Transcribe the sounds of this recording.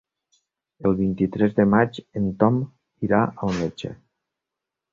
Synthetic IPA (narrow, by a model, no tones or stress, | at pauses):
elˠβint̪it̪ɾɛzðəmad͡ʒent̪ɔm | iɾaawnet͡ʃḛ